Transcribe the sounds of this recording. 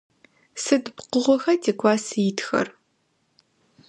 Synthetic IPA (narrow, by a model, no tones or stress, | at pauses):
sɨdbqʊʁʷɔxɐtʰeːkʷʰʼaːsɨjɪtxɐ̰r